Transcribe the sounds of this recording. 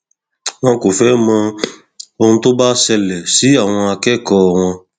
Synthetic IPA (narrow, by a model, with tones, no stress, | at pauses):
wã˦ko˨fɛ˦mã˧ | o˧ŋ̩̃˦t̪o˦ba˦sɛ˧lɛ˨si˦a˨w̃ɔ̃˧a˨kɛ˦˨kɔː˦˨w̃ã˧